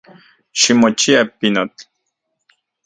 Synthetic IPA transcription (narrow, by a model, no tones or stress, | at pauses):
ʃimot͡ʃiapinot̪